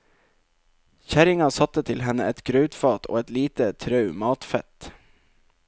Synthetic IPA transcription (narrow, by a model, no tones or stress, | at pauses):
çæɾɪŋɑsɑt̪ət̪ʰɪlɦɛnəɛt̪ɡ̥ɾœʉt̪fɑːt̪ʰo̰ːɛt̪liːt̪ət̪ʰɾɑʉmɑːt̪fɛt̪